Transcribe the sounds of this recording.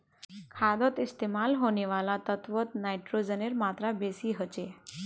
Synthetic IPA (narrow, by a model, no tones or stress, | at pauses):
kʰad̪ɔt̪ist̪emalɦoneʋalat̪ət̪ʋət̪najʈɾod͡zəneɾmat̪ɾabesiːɦət͡ɕe